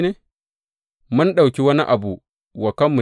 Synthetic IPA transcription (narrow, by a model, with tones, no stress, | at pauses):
ne˦ | mu˦nɗa˨wkʲi˦wɐ˦nḭ˦ʔa˨bu˨ | wa˨ka˦mːu˨